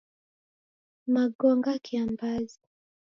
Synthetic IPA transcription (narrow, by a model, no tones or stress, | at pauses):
maɡɔŋɡakʰiambazi